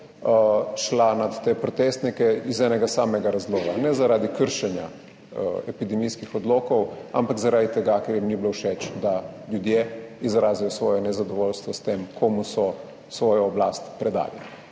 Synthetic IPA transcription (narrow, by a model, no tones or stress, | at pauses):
ʃlanat̪ːepɾɔt̪est̪nikɛizɛːnɛɡasaːmɛɡaɾazloːɡanɛzaɾaːd̪ikəɾʃɛnja̰ | ɛpid̪ɛmiskixɔd̪loːkɔwa̰mpaɡzaɾaːd̪it̪ɛɡakɛɾjimniblowʃɛt͡ʃd̪aljud̪jeizɾaːzijɔsʋɔːjɛnɛzad̪ɔʋolst̪ʋɔst̪eːmkʰomusɔ | sʋɔːjɔːblaːst̪pɾɛd̪a̰ːlḭ